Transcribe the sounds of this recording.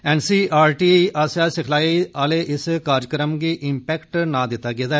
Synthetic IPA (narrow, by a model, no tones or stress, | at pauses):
ɛːnsiːaːɾʈiːʔaːsaːsɪkʰlaːiaːleːʔɪskaːɾkəɾəmɡiːʔɪmpɛːkʈnãːd̪ɪt̪ːaːɡeːd̪aː